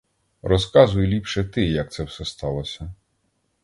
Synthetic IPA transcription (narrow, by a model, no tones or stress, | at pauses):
ɾɔskɑzʊjʊlʲipʃɛt̪ɪjɐk̚t̪sɛwsɛst̪ɑlˠɔsʲɐ